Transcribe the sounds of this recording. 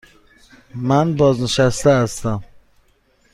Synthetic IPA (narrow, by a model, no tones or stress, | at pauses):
mænbɒːznɪʃæst̪æːst̪æm